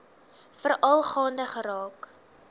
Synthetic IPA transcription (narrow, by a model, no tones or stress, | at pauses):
fərʔɐlˠχɑːndəχəɾɑːk